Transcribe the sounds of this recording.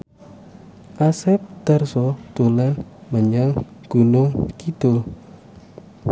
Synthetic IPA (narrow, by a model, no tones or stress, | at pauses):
ʔasɛp̚d̪̥arsɔd̪̥olanməɲaŋɡ̥unuŋkid̪̥o